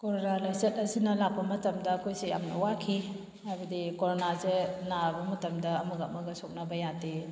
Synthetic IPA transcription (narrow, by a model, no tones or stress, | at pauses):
koɾonalajzet̚ɐsinɐlak̚bɐmɐtɐmdɐːkʰojseja̰mnɐ̰wakʰi | hajbɐdikoɾonazenabɐmɐtɐmdɐːmuɡɐp̚mɐɡɐsok̚nɐbɐjate